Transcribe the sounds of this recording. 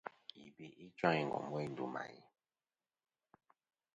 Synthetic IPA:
i˨bi˦ʔi˦t͡ʃa˦ŋi˦˨ŋ˨ɡɔ̰˨mwi˦n̩˦du˦ma̰˨ḭ˦

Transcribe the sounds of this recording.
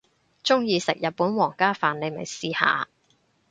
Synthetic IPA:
t͡sʊ˥ŋjiː˧sɪ̰˨k̚jɐ˨t̚puː˨˥nwɔː˨˩ŋkaː˥faː˨˧nle˨˧jmɐ̰˨˩jsiː˧ha̰ː˨˧

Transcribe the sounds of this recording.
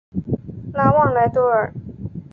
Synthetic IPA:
la˧˥wɑ˥˩ŋla˧˥ɪt̪wɔ˥ə˨˩

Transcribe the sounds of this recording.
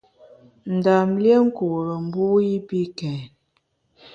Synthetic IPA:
n̩˨da˨mlje˦ŋ̩˦ku˨ɾə˨m˨˦bu˦i˦pi˦kɛ˨n

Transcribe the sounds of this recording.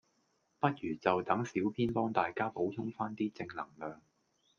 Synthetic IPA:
pɐ˥t̚jyː˨˩t͡sɐ˨wt̪ɐ˨˥ŋsiː˨˥wpʰiː˥npɔː˥ŋt̪aː˨jkaː˥po˨˥wt̪ʰʊ˥ŋfaː˥nt̪iː˥t͡sɪ˧ŋlɐ̰˨˩ŋlœː˨ŋ

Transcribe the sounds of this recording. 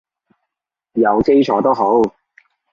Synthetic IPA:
jɐ˨˧wke˥jt͡ʃʰɔː˨˥t̪o˥wɦo˨˥w

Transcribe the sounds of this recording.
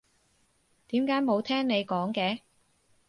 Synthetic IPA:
t̪iː˨˥mkaː˨˥jmo˨˧wt̪ʰɛː˥ŋne˨˧jkɔː˨˥ŋkɛː˨˧

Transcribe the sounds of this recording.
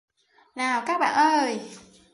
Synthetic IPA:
naː˨˩wkaː˦˥k̚ɓa̰ː˧˨nʔəː˧˩j

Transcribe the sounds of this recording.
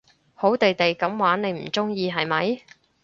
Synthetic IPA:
ho˨˥wt̪e˨jt̪e˨jkɐ˨˥mwaː˨˥nne˨˧jm̩˨˩t͡sʊ˥ŋjiː˧ɦɐ˨jmɐ˨˧j

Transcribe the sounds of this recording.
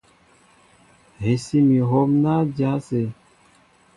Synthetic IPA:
ɦe˨si˦mi˨ɦo˦mna˦d͡ʒa˦se˨

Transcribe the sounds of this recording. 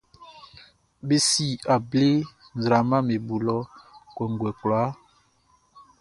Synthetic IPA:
be˦si˦˨a˨ble˦ | n˨zɾa˨ma˦me˨bu˨lɔ˦kwɛ˨ŋ˨ɡwɛ˨kla˨˦

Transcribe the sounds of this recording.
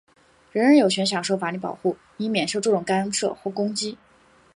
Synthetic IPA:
ɻə˧˥nɻə˧˥njo˨˩ʊɕʰɥɛ˧˥nɕ̬jɑ˨˩ŋʂo˥˩fa˧˥ly˧˥pɑ̰˨˩ʊxu˥˩ | ni˧˥mjɛ˨˩nʂo˥˧ʊʈ͡ʂɤ˥˩ʈ͡ʂʊ˨˩ŋka˥nʂɤ̰˥˩xwɔ˥˩kʊ˥ŋt͡ɕi˥

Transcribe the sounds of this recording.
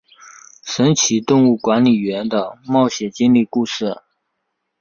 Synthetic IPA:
ʂə˧˥nt͡ɕʰi˧˥t̪ʊ˥˧ŋu˥˩kwa˧˥nli˨˩ɥɛ˧˥nd̪ə˧mɑ˥˩ʊɕjɛ˨˩t͡ɕi˥nli˥˧ku˥˧ʂɻ̩˥˩

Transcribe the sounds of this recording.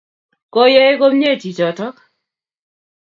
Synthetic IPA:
ko˦je˦e˦ko˦mɲe˦˨ti˨t͡ʃɔ˨tɔ˦k

